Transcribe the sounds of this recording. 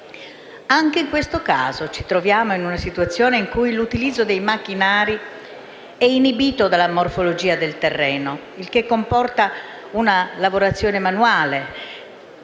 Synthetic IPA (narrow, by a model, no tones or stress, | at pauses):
aŋk̟eiŋkwest̪okaːzot͡ʃi̥t̪ɾovjaːmoinunasit̪wat̪sːjoːneiŋkujlut̪ilid̪zːod̪ejmak̟ːinaːɾi | ɛinibiːt̪od̪alːamorfolod͡ʒiːad̪elt̪erːɛːno | ilk̟ekːompɔrt̪a | unalavoɾat̪sːjoːnemanuaːle